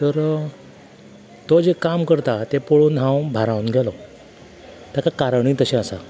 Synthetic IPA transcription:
t̪əɾ | t̪od͡ʑekamkəɾt̪at̪epoɭuːnãwbʱaɾãũnɡʱɛlɔ | t̪jakakaɾəɳ̃iːt̪əɕẽəsa̰

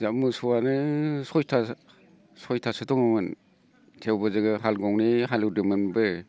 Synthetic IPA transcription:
zamɯsɔwanɯsɔjtʰa | sɔjtʰasɯtɔŋɯmɯn | tʰewbɯzɯɡɯɦalɡɔŋniɦalɯdɯmɯnbɯ

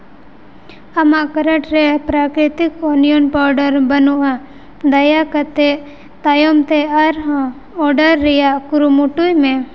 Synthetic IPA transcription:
əmaʔkəɾəʈɾɛpɾakɾit̪ikɔnijɔnpɔɾɖəɾbənuʔa | d̪ɐjakət̪e | t̪ajɔmt̪ɛaɾɦã | ɔɖəɾːɛjaʔkuɾumuʈujmɛ̃

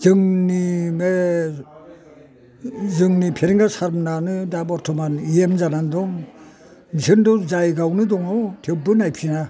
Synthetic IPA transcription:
zɯŋnime | zɯŋnipʰeɾiŋɡasaɾmnanɯdabɔɾtʰɔmaniemzanandɔŋ | misɯndɯzajɡawnɯdɔŋawtʰewbɯnajpʰina

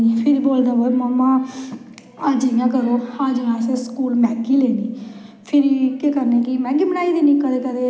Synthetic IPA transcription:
ipʰɪɾiboːld̪aːʋoməmːãː | ad͡ʒəjãːkəɾoːhãːd͡ʒəɦãːseskuːlmɛːɡiːleːniːpʰɪɾikekəɾneːkiːmɛːɡiːbənaːiːd̪eːniːkəd̪eːkəd̪eː

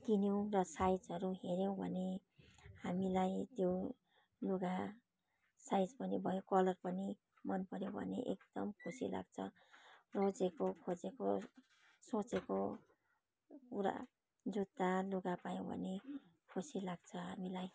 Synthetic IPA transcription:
d̪injow̃rʌsajd͡zʌɾuɦeɾjow̃bʱʌ̰nehamilajt̪jo | luɡa | sajd͡zbʌnibʱʌjokʌlʌrpʌni | mʌnpʌɾjõbʱʌ̰nḛʔḛk̚d̪̥ʌmkʰusila̰ɡ̚t͡sʰʌ | rod͡zekokʰod͡zeko | sot͡seko | puɾa̰ | d͡zut̪ːaluɡapajõw̃bʱʌ̰ne | kʰusilaɡ̚t͡sʰʌɦamilaj

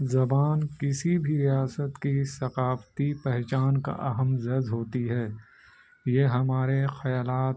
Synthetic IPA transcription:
zɐbaːnkɪsibʱiɾijaːsət̪kisɐqaːft̪ipɛɦt͡ʃaːnka̰ʔɐɦəmzɐzɦoːt̪iɦɛː | jeɦɐmaːɾexɐjaːlaːt̪

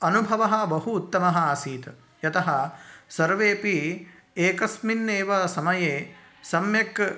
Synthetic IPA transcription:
ɐnubʱɐʋɐɦɐ̆bɐɦuːt̪ːɐmɐɦɐaːsiːt̪ | jɐt̪ɐɦɐsɐɾʋeːpi | eːkɐsminːeːʋɐsɐmɐjeː | sɐmjɐk

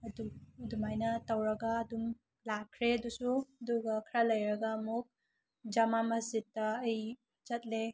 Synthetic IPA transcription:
ɐdudumajnɐtɐwɾɐɡaːdum | lakʰɾeɐdusuɐduɡɐkʰɾalɐjɾɐɡamuk̚ | d͡ʒɐmamɐzitːɐːj | zɐt̚le

